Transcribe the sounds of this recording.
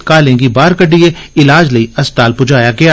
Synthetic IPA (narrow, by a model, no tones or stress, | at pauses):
kaːlẽːɡibaːɾkɐɖieɪlaːd͡ʒlɐiɐst̪aːlpʊd͡ʒaːjaɡɐja